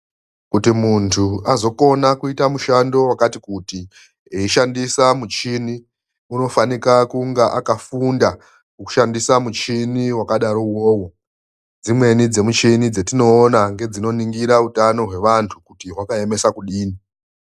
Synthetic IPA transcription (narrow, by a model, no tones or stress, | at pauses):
kutimuntʰuazo̞ko̞nakuitamuʃando̞wakatikuti | eiʃandisamut͡ʃini | uno̞fanikakuŋɡaʔakafunda | kuku̥ʃandisamut͡ʃiniwakaɗaɾo̞woːwo | d͡zimwe̞nid͡ze̞mut͡ʃinid͡ze̞tino̞ːnaŋɡe̞d͡zino̞niŋɡiɾautano̞ɦwe̞ʋantʰukutiɦwakae̞me̞sakuɗiːni